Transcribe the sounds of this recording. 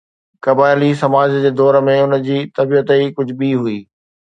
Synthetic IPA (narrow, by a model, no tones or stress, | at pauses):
kɐbaːɪlisɐmaːd͡ʑd͡ʑeːd̪ɔːɾmẽʊnəd͡ʑiːt̪ɐbijət̪əikʊd͡ʑʱɓiɦuiː